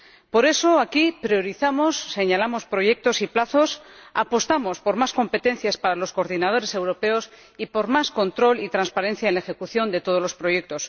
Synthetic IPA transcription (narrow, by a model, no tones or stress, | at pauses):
po̞ɾe̞so̞akipɾjo̞ɾiθamo̞sːe̞ɲalamo̞spɾo̞ʝe̞k̚t̪o̞siplaθo̞sa̰po̞st̪amo̞spo̞ɾmasko̞mpe̞t̪e̞n̟θjaspaɾalo̞sko̞ːɾðinað̞o̞ɾe̞se̞wɾo̞pe̞o̞s | ipo̞ɾmasko̞nt̪ɾo̞lit̪ɾanspaɾẽ̞n̟θjaenlaexe̞kuθjo̞nd̪e̞t̪o̞ð̞o̞lo̞spɾo̞je̞k̚t̪o̞s